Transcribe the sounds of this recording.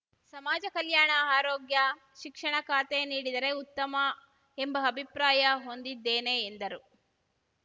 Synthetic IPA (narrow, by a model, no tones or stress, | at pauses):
sɐmaːd͡ʒɐkɐljaːɳɐaːɾoːɡjɐ | ʃikʂɐɳɐkaːt̪eniːɽid̪ɐɾe̞ut̪ːɐmɐ | embɐɐbʱipɾaːjɐɦo̞nd̪id̪ːeːne̞ːnd̪ɐɾu